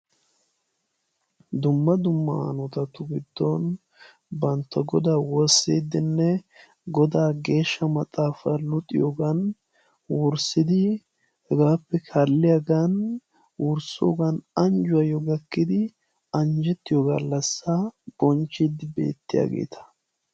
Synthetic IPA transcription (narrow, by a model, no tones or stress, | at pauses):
d̪ʊmːɐd̪ʊmːɐ̰nɔt̪ɐt̪ʊɡɪd̪ːɔn | bɐnt̪ːɐɡɔd̪aːwɔɾsːeːd̪ːɪnːɛ | ɡɔd̪aːɡe̞ːʃːɐmɐt͡s̪ʼaːfɐlʊt̪ʼːɪ̰joːɡɐn | wʊɾsɪd̪ɪ | hɛɡaːpːɛkʰɐlːɪjaɡan | wʔʊɾso̰ːɡanɐnd͡ʒʊwɐjɔɡɐkːɪd̪ɪ | ɐnd͡ʒɛt̪ːɪjoːɡɐlːɐsːab̥ɔnt͡ʃːid̪ɪbe̞̰ːt̪ːɪja̰ːɡe̞̰ːt̪ʰɐ̥